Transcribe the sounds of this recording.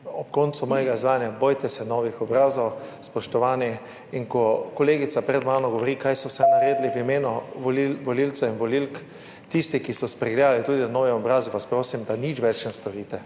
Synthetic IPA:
ɔpkont̪sumɔːjɛɡaizʋaːjnjabojt̪ɛsɛnɔːʋixɔbɾaːzɔwspɔʃt̪ɔʋaːni | inkɔkɔleːɡit̪sapɾɛd̪maːnɔɡoʋɔɾikajsɔwsɛnaɾeːd̪liʋimeːnɔʋɔliʋɔlilt̪sɔinʋɔlilk | t̪ist̪ikisɔspɾɛɡled̪alit̪uːd̪inanɔːʋɛɔbɾaːzɛʋaspɾoːsimd̪anit͡ʃʋɛt͡ʃnɛst̪ɔɾiːt̪ɛ

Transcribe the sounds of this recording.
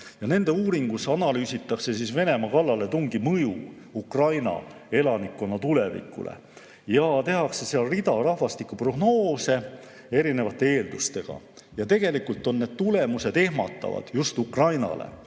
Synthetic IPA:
jɑne̞nd̪̥e̞uːɾiŋɡ̥usɑnɑlyːsit̪ːˑɑkse̞sisve̞ne̞mɑkɑlːɑle̞t̪uŋɡimɤjṵ | ukrɑjnɑ̰ | e̞lɑnikːo̞nːɑt̪ule̞vḭkːṵlḛ | jɑt̪e̞ɦɑkse̞seɑlrid̪̥ɑrɑhvɑst̪ikːˑupro̞ɡno̞ːse̞ | e̞ɾine̞vɑt̪ːˑe̞e̞ːld̪ust̪e̞ɡ̥ɑ̰ | jɑt̪e̞ɡ̥e̞likːˑult̪ːˑo̞nːe̞d̪̥̚t̪ule̞muse̞d̪̥e̞hmɑ̰t̪ːˑɑ̰vɑ̰d̪̥just̪ukrɑjnɑ̰lḛ

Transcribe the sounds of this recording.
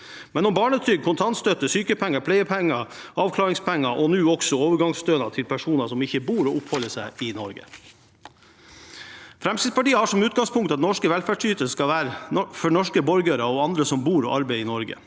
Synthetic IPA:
mɛnɔmbɑːɳət̪ʰʏːɡ̚kʰʊnt̪ʰɑnt̪st̪œt̪əsyːkəpʰɛŋːɑpʰlæɪəpʰɛŋːɑ | ɑːʋkʰlɑːɾɪŋspʰɛŋːɑʔɔnʉːɔksɔoːʋəɾɡɑŋst̪øːnɑt̪ʰɪlpʰæʂuːnɑsɔmɪçəbuːɾɔːʔʊphɔlːəʂæɪɪnɔɾɡə̰ | fɾɛmsɪːspɑʈiːəhɑːʂɔmʉːt̪ɡɑŋspʰʊŋkt̪ɑt̪nɔʂkəʋɛlfæːɖʂyːt̪əskɑʋæːɾəfɔɳɔʂkəbɔɾɡəɾɑɔɑnd̪ɾəsɔmbuːɾɔ̰ʔɑɾbæɪɪnɔɾɡə̰

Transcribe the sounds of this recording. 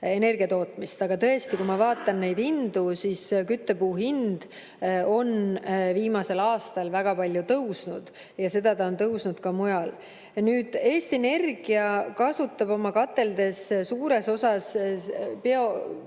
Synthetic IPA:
e̞ne̞rɡ̥iɑt̪o̞ːt̪ːˑmist̪ɑɡ̥ɑt̪ɤ̞e̞st̪ikujmɑvɑːt̪ːˑɑnne̞jd̪ind̪usiːskyt̪ːe̞puːɦind̪̥ | o̞nviːmɑse̞lɑːst̪ɑlvæɡ̥ɑpɑlʲjut̪ɤwsnud̪̥ | jɑse̞d̪̥ɑt̪ɑo̞nt̪ɤwsnud̪̥kɑmujɑl | nyːd̪̥e̞ːst̪iene̞rɡ̥iɑkɑsut̪ːˑɑbo̞mɑkɑt̪ːˑe̞ld̪e̞ssuːɾe̞so̞sɑs | peo̞

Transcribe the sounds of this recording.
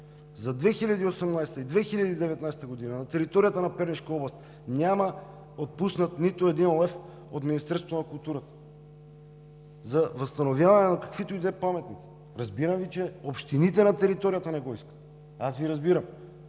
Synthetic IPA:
zɐd̪vɛxiʎʲad̪iːosɛmnajst̪əid̪vɛxiʎʲad̪iːd̪ɛvɛt̪najst̪ɐɡod̪inɐnɐt̪ɛɾit̪oɾijat̪ɐnɐpɛɾniʃkəɔblˠɐst̪ | nʲamɐ | ot̪̚pusnɐt̪nit̪ʊɛd̪inlˠɛf | ot̪minist̪ɛɾsvot̪onɐkulˠt̪uɾɐt̪ə̥ | zɐvɐst̪ɐnovjavɐnɛnakɐkvit̪oid̪vɛpamɛt̪nit̪si̥ | ɾɐzbiɾɐmvit͡ʃɛopʃt̪init̪ɛnɐt̪ɛɾit̪oɾijɐt̪ɐnɛɡoiskə̥t̪ | asviɾɐzbiɾɐm

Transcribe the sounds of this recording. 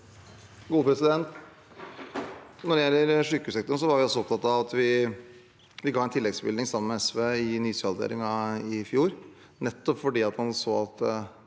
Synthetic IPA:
ɡuːəpʰɾɛsɪd̪ɛnt̪ | nɔɾjælːəɾʂʏkːʉsɛkt̪ɔɳsɔʋɑɾʋɪɔsɔɔp̚t̪ʰɑt̪ɑʋɑt̪ʋɪ | ʋɪɡɑːæɛnt̪ʰɪlːɛɡsbɪld̪ɪŋsɑmːənmɛɛsʋeːɪnyːsɑlˠd̪ḛːɾɪŋɑɪfjuːɾ | nɛt̪ːɔpfɔɖiːɑt̪hɑnsoːɑt̪

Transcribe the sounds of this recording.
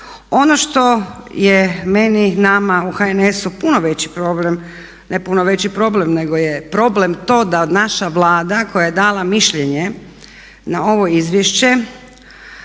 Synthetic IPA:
o̞noʃt̪o̞jeme̞ninamauxaenesupunoʋet͡ɕi̥pɾoblem | nepunoʋet͡ɕipɾo̞ble̞mne̞ɡojepɾo̞ble̞mt̪o̞ːd̪aod̪naʃaʋlˠaːd̪ako̞jaje̞d̪alˠamiʃʎeɲe | nao̞ʋo̞izʋjeʃt͡ɕe̞

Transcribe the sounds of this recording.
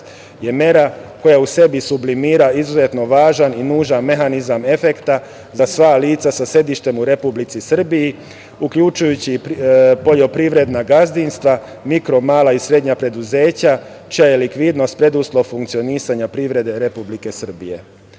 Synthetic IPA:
je̞me̞ɾako̞jause̞bisublimiːɾaizuze̞t̪no̞ʋaːʒaninuːʒanme̞xanizame̞fe̞kt̪a | zasʋaːliːt̪sasase̞d̪iʃt̪e̞muɾe̞publit̪sisr̩biji | ukʎut͡ʃujut͡ɕipo̞ʎo̞pɾiʋɾe̞d̪naɡazd̪inst̪ʋa | mikɾo̞maːlaisɾe̞d̪ɲapɾe̞d̪uze̞ːt͡ɕa | t͡ʃijajelikʋid̪no̞st̪pɾe̞d̪uslˠofuŋkt̪sio̞niːsaɲapɾiʋɾe̞d̪e̞ɾe̞publike̞sr̩bḭje̞̰

